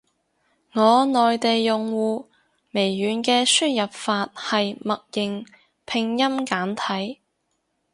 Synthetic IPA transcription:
ŋɔː˨˧nɔː˨jt̪e˨jːʊ˨ŋwuː˨ | me˨˩jːyː˨˧nkɛː˧syː˥n̚jɐ˨p̚faː˧t̚hɐ˨jmɐ˨k̚jɪ˨ŋ | pʰɪ˨˧ŋjɐ˥mkaː˨˥nt̪ʰɐ˨˥j

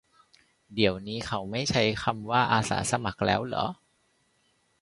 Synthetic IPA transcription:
di˩˦əwniː˦˥kʰa˦˥wma˥˩jt͡ɕʰa˦˥jkʰa˧mwaː˥˩ʔaː˧sa̰ː˩˦sa˧ma˨˩k̚lɛ̰ː˦˥wlɔ̰˩˦

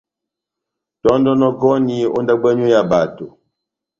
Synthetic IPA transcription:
tɔ˦n˦dɔ˦nɔ˦kɔ˦ni˦o̰˦n˦da˦ɡ͡bɛ˦ɲu˦ja˨ba˨to˨

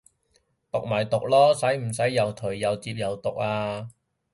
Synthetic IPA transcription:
t̪ʊ˨k̚maː˨˩jt̪ʊ˨k̚lɔː˥sɐ˨˥jm̩˨˩sɐ˨˥jːɐ˨wt̪ʰɵ˨˩ɥːɐ˨˩wt͡siː˧p̚jɐ˨˩wt̪ʊ˨k̚aː˧

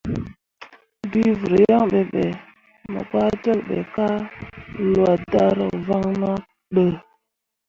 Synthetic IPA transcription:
bi˦və˨ɾə˨ja˦ŋɓe˨ɓe˨ | mə̰˨ba˦d͡ʒə˦lɓḛ˨ka˦ | lwa˨da˦ɾə̰˨va˦ŋnɔ˦ | ɗə˨

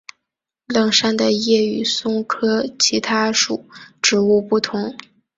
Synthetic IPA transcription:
lɤ˥˩ŋʂa˥˩nd̪ə˨jɛ˥˩y˨˩sʊ˥ŋkʰɤ˥t͡ɕʰi˧˥t̪ʰa˥ʂu˨˩˦ʈ͡ʂɻ̩˧˥u˥˧pu˥˩t̪ʰʊ˧˥ŋ

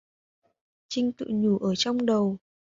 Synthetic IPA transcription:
t͡ɕï˧ŋ̟t̪ɨ̰˧˨ɲu˧˩ʔəː˧˩t͡ɕɔ˧wŋ͡mɗə˨˩w

